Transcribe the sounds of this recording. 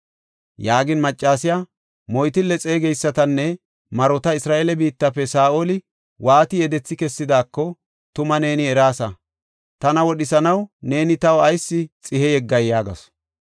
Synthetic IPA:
jaːɡɪnmɐt͡ʃʼːaːsɪja | mɔjt̪ɪlɛt͡sʼeːɡɛjsːɐt̪ɐnːɛ | mɐɾɔt̪ɐɪsɾaːʔelɛbiːt̪ːɐpːɛsaːʔolɪ | waːt̪ɪjɛd̪ɛt͡sːɪkɛsːɪd̪aːkːɔ | t̪ʊmɐne̞ːnɪɛɾaːsɐ | t̪ɐnɐwɔɗɪsɐnɐwne̞ːnɪt̪ɐwɐjsːɪt͡sʼɪhɛjɛɡːɐjjaːɡɐ̰s

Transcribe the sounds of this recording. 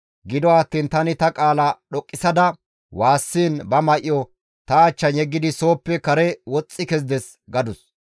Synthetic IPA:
ɡɪd̪ɔaːt̪ːiːnt̪ɐnɪt̪ɐkʼaːlɐɗɔkʼːɪsɐd̪ɐ | waːsːiːnbɐmɐʔɪɔ | t̪ɐːt͡ʃːɐnjɛɡːɪd̪ɪso̞ːpːɛkɐɾɛwɔt͡sʼːɪkɛzd̪ɛs | ɡɐd̪ʊs

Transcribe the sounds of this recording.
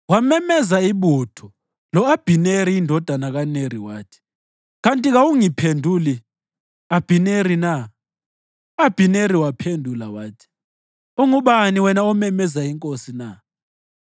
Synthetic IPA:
wamɛmɛzaiɓutʰɔ | lɔab̥ʱineɾiːndʱɔd̥ʱanaɣaneɾiwaːtʰi̥ | ɣantʼiɣawuŋipʰendʱuli | ab̥ʱineɾina | ab̥ʱineɾiwapʰendʱulawaːtʰi̥ | uŋuɓaniwɛnaɔmɛmɛzaiŋkʼosina

